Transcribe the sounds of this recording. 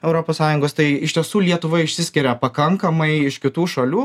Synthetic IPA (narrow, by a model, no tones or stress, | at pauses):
ɛʊɾoːpoːssɑːjʊŋɡoːst̪ɐɪɪʃʲt̪ʲiɛsuːlʲiɛt̪ʊʋɐɪʃʲsʲɪsʲkʲɪɾʲɛpɐkɐŋkɐmɐɪɪʃkʲɪt̪uːʃɐlʲuː